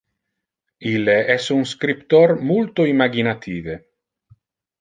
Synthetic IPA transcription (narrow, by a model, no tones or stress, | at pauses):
ilːeʔɛsunskɾipt̪ormult̪oimaɡinat̪ʰiːve